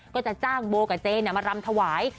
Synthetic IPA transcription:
kɔː˥˩t͡ɕa˨˩t͡ɕaː˥˩ŋboː˧ka˨˩t͡ɕeː˧na˧˩maː˧ɾa˧mt̪ʰa˧waː˩˦j

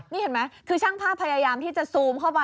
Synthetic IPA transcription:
niː˥˩he˩˦nma˦˥jkʰɯː˧t͡ɕʰaː˥˩ŋpʰaː˥˩pʰːa˧jaː˧jaː˧mt̪ʰiː˥˩t͡ɕa˨˩suː˨˦mkʰa˥˩wpa˧

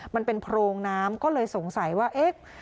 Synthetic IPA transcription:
ma˧npe˧npʰɾoː˧ŋnaː˦˥mkɔː˥˩lɤː˧jso˨˩˦ŋsa˨˩˦jwaː˥˩ʔe˦˥k̚

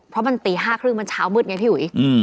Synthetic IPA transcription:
pʰɾɔ˦˥ma˧nt̪iː˨˩ɦaː˥˩kʰɾɯ˥˩ŋma˧nt͡ɕʰaː˦˥wmɯː˥˩t̪̚ŋa˧jpʰiː˥˩wu˨˩˦ʔɯ˧

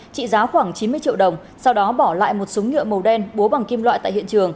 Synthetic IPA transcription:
t͡ɕḭ˧˨zaː˨˦xwaː˧˩ŋt͡ɕi˨˦nmɨ˧ət͡ɕḭ˧˨wɗə˨˩wŋ͡m | sa˧wɗɔ˨˦ɓɔ˧˩la̰ː˧˨jmo˨˩t̚su˨˦wŋ͡mŋɨ̰˧˨əmə˨˩wɗɛ˧nɓu˨˦ɓa˨˩ŋki˧mlwa̰ː˧˨t̪a̰ː˧˨jhḭ˧˨ənt͡ɕɨ˨˩əŋ

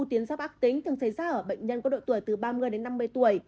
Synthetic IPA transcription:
t̪i˨˦ənza˦˥p̚ʔaː˦˥k̚t̪ï˨˦ŋ̟t̪ʰɨ˨˩əŋsa˧˩jzaː˧ʔəː˧˩ɓə̰˧˨jŋ̟ɲə˧nkɔ˨˦ɗo̰˧˨jt̪u˧˩əjt̪ɨ˨˩ɓaː˧mɨ˧əjɗe˨˦nːa˧mːɨ˧əjt̪u˧˩əj

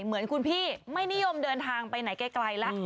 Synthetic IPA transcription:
mɯ˩˦ənkʰu˧npʰiː˥˩ma˥˩jni˦˥jo˧mdɤː˧nt̪ʰaː˧ŋpa˧jna˩˦jkɛ˧˥˩kla˧jlɛ˦˥

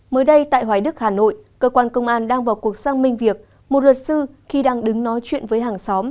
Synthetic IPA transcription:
məː˨˦jɗə˧jt̪a̰ː˧˨jɦwaː˧˩jɗɨ˦˥k̚haː˧˩no̰˧˨jkəː˧kwaː˧nkə˧wŋ͡mʔaː˧nɗaː˧ŋvaː˨˩wku˨˩ək̚saː˧ŋmï˧ŋ̟vi˨˩ək̚ | mo˨˩t̚lwt̚sɨ˧ | xi˧ɗaː˧ŋɗɨ˨˦ŋnɔ˨˦jt͡ɕwḭ˧˨ənvəː˨˦jɦaː˨˩ŋsɔ˨˦m

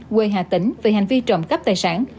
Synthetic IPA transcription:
kwe˨˩ɦaː˨˩t̪ï˧˦ŋ̟ve˨˩ha˨˩jŋ̟vi˧t͡ɕə̰˧˨wŋ͡mkə˦˥p̚t̪aː˨˩jsaː˧˥n

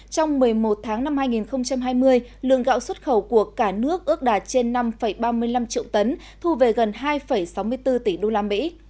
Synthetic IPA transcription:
t͡ɕɔ˧wŋ͡mmɨ˨˩əjmo˨˩t̚t̪ʰaː˨˦ŋna˧mhaː˧jŋi˨˩nxə˧wŋ͡mt͡ɕa˧mɦaː˧jmɨ˧əjlɨ̰˧˨əŋɣa̰ː˧˨wswə˦˥t̚xə˧˩wku˧˩əkaː˧˩nɨ˦˥ək̚ʔɨ˦˥ək̚ɗaː˨˩t͡ɕe˧nːa˧mfə˧˩jɓaː˧mɨ˧əjla˧mt͡ɕḭ˧˨əwt̪ə˨˦n | t̪ʰu˧ve˨˩ɣə˨˩nɦaː˧jfə˧˩jsa˨˦wmɨ˧əjt̪ɨ˧t̪i˧˩ɗo˧laː˧mḭ˧˥

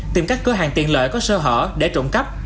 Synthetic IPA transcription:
t̪i˨˩mkaː˦˥k̟̚kəː˨˦ɦa̰ː˧˨ŋt̪ḭ˧˨ənlə̰ː˧˨jkɔ˨˦səː˧ɦə̰ː˧˨ɗe˧˩t͡ɕʊ̰˧˩ŋ͡mka˦˥p̚

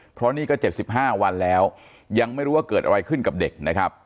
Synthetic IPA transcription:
pʰɾɔ˦˥niː˥˩kɔː˥˩t͡ɕe˨˩p̚si˨˩p̚ɦaː˥˩wa˧nlɛː˦˥w | ja˧ŋma˥˩jɾuː˦˥wa˥˩kɤː˨˩t̪̚ʔa˧a˧jkʰɯ˥˩nka˨˩p̚de˨˩k̚na˦˥kʰɾa˦˥p̚

